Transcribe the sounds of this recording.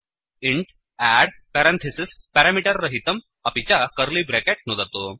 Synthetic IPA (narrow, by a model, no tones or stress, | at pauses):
iɳʈ | æɽpɛɾãnt̪ʰesispɛɾamiʈəɾːəɦit̪əm | apit͡ɕakəɾliːbɾɛkeʈ̚nod̪at̪o